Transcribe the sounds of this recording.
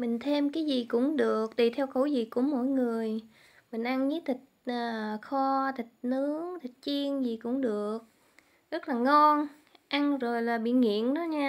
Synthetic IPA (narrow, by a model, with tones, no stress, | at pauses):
mï˨˩ŋ̟t̪ʰe˧mkaː˨˦jzi˨˩kʊ̰˧˥ŋ͡mɗɨ˨˩ək̚t̪i˨˩t̪ʰɛ˧wku˧˩zi˨˩ku˧˩əmo̰˧˨jŋɨ˨˩əj | mï˨˩ŋ̟ʔa˧nɲɨ˨˦t̪ʰi˨˩k̚ʔəː˨˩xɔ˧t̪ʰi˨˩k̚nɨ˨˦əŋt̪ʰi˨˩k̟̚t͡ɕi˧ənzi˨˩kʊ̰˧˥ŋ͡mɗɨ˨˩ək̚ | zə˦˥t̚laː˨˩ŋɔ˧n | ʔa˧nzo˨˩jlaː˨˩ɓḭ˧˨ŋḭ˧˨ənnɔ˨˦ɲaː˧